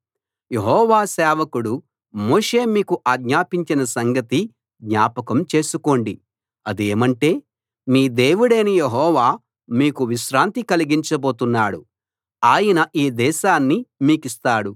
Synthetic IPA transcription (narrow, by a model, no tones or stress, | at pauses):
je̞ɦɔːʋaːsɛːʋɐkuɽu | mo̞ːʂe̞ːmiːkuʔaːɡɲaːpiɲt͡ʃinɐsɐŋɡɐt̪i | ɡɲaːpɐkɐmt͡ʃe̞ːsuko̞ːɳɖi | ɐd̪ieːmɐɳʈe̞ː | miːd̪e̞ːwuɽeːnijeɦɔːʋaː | miːkuʋiʃɾaːnt̪ikɐliɡiɲt͡ʃɐbo̞ːt̪unːaːɽu | aːjɐnɐʔiːd̪ɛːʃaːnːimiːkist̪aːɽu